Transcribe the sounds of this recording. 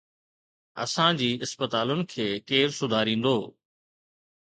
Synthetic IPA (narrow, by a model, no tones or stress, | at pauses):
ɐ̰sãd͡ʑiːɪspət̪aːlʊnɪ̆kʰeːkeːɾsʊd̪ʱaːɾĩːnd̪oː